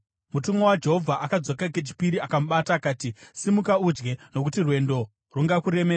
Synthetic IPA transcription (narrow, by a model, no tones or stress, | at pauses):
mutumowad͡ʒe̞ɦo̞vʱaʔakad͡zokaket͡ʃi̥piɾiakamuɓataːkaːtisimukaud͡ʒɡe̞no̞kutirwe̞ndo | ruŋɡakuɾe̞meːa